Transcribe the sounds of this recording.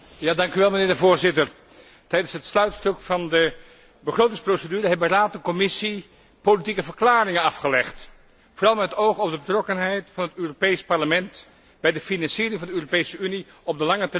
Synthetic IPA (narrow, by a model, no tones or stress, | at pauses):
jaːdɑŋkyʋɛlˠmənɪːɹdəvʊːɹzɪtəɹ | tɛjdənsɦətslœɥtstøkfɑndə | bəχrowtɪŋsprowsədyːɾəɦɛbəraːtənkɔmɪsi | politikəvəɹklaːrɪŋənɑfχəlɛχt | foːrɑlˠmɛtətowχɔb̚dəbətrɔkənɦɛjtfɑnɦətøːropejspɑɹləmɛnt | b̥ɛjdəfinɑnsiːɾɪŋvɑndəøːropejsəyni | ɔb̚dəlɑŋət